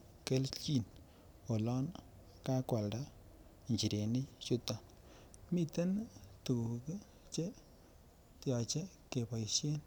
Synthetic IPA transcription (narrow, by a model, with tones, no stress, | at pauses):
ke˦lt͡ʃi˦n | o˨lɔ˦n | ka˦kwa˨lda˦˨ | ɲt͡ʃi˨ɾe˨ni˦t͡ʃu˦tɔ˦˨ | mi˨te˦ntu˨u˨k | t͡ʃe˦ | tjɔ˨t͡ʃe˦ke˨pɔ˨jʃe˦n